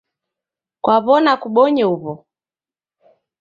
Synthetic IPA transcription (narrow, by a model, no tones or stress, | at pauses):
kwaβɔnakuɓɔɲɛuβɔ